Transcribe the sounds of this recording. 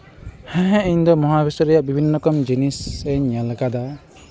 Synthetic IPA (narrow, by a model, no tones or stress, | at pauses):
hɛ̃ɦɛ̃iɲd̪ɔmɔɦabʱisɔɾɛjaʔbibʱinːɔkɔmd͡ʒiniseɲjalaɡad̪a